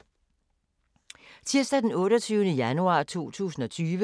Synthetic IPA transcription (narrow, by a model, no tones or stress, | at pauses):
t͡sʰiɐ̰sd̥æd̥enɔ̽ːɾɒt͡sʰyːʊnəjænuɑ̰̈ːt͡sʰo̝̰ːt͡sʰṵːsn̩ɒ̽t͡sʰyːʋə